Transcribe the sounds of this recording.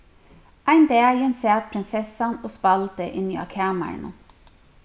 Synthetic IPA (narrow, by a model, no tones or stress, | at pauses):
ʔæɪnd̪eæjənseːt̪̚pʰɾɪnsɛsɑnoːspɑlt̪əʔɪniɑ̰ːkʰæːmə̰ɳə̰